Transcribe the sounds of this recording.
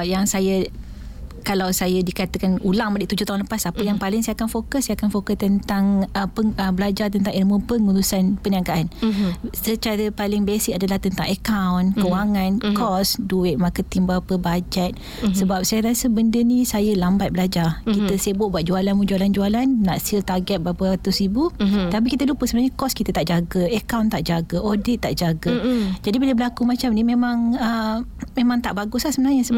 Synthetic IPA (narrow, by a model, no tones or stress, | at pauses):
ajaŋsajə | kalawsajədikat̪əkanulaŋmadɪʔt̪ud͡ʒʊht̪aɦunləpasapəjaŋpalɪŋsajakanfokəssajakanfokəst̪ənt̪aŋəpəəbəlad͡ʒart̪ənt̪ãŋɛlmə̃pəŋuɾusanpəniaŋkaʔansət͡ʃaɾəpalɪŋbesɪkadalaht̪ənt̪aŋəkawnkəwaŋãnkɔsduɪʔ̪̚makət̪imbalpəbad͡ʒɛt̪̚ | səbap̚sajəɾasəbəndənĩsajəlambat̪̚bəlad͡ʒakit̪əsaəboʔbwat̪̚d͡ʒualanmud͡ʒualand͡ʒualanːa̰ʔsilt̪aɡɛt̪̚baɦapəɾat̪ʊsibut̪ap̬ikit̪əlupəsəmənaɲəkɔskit̪ət̪aʔd͡ʒaɡəəkawnt̪aʔd͡ʒaɡəodɪt̪ːaʔd͡ʒaɡəd͡ʒadibilabəlakumat͡ʃamnimemãŋəmemãŋt̪aʔbaɡʊslahsəmənaɦɲəsəb